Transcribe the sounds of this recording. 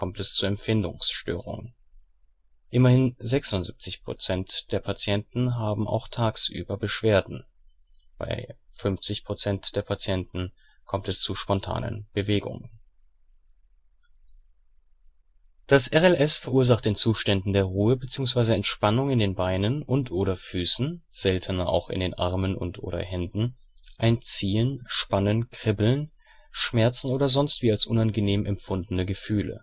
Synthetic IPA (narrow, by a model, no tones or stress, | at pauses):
kʰɔmtɛst͡suːɐɛmfɪndʊ̰ŋsʃtø̰ːʁ̞ʊ̰ŋ | ʔɪmɐhɪnzɛksʊntzḭp̚t͡sɪçpʁ̥o̰t͡sɛntd̥eːɐpʰat͡sjɛntn̩ɦaːbm̩ʔa̰ʊxtʰaːksʔy̰ːbɐbəʃv̥eːɐdn̩ | b̥a̰ɪfʏnft͡sɪçpʁ̥ot͡sɛntd̥eːɐpʰat͡sjɛntn̩ | kʰɔmtɛst͡suʃpɔntʰa̰ːnə̰nb̥əveːɡʊ̰ŋən | d̥asʔɛʁɛlʔɛsfɛɐʔuːɐzaχt̚d̥eːnt͡suːʃtɛndn̩deːɐʁuːəbət͡siːʊŋs̬v̥aɪzəɛntʃpanʊŋɪndeːnbaɪnənʔʊntʔoːɾɐfyːsn̩z̥ɛltʰənɐʔa̰ʊxɪ̰ndeːnʔa̰ɐmənʊ̰ntʔo̰ːɾɐ̰hɛndn̩ | ʔaɪnt͡siːənʃpanənkʁ̥ɪbl̩n | ʃmɛɐt͡sn̩oːdɐzɔnstv̥iːalsʔʊnanɡəneːmʔɛmfʊndn̩əɡəfyːlə̰